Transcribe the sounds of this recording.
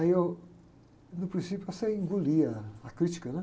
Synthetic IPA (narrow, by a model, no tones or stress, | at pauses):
ɐjew | nʊpɾĩsipjʊɛsɐĩŋɡuliɐɐkɾit͡ʃi̥kɐnɛ